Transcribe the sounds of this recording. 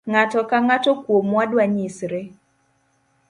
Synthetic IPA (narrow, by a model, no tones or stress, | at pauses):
ŋatɔkaŋatɔkwomwadwaɲisɾe